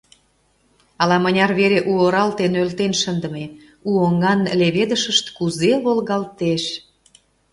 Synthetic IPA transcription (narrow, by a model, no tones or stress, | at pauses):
ɑlɑmənʲɑrβeɾeʔuoɾɑlt̪enølt̪enʃənd̪ə̆me | uoŋɑnleβed̪əʃəʃt̪kuzelolɣɑlt̪eʃ